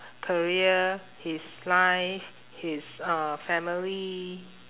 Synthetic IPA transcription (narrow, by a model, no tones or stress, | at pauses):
kʰəɹiə | his | lajf | hisʌfɛmili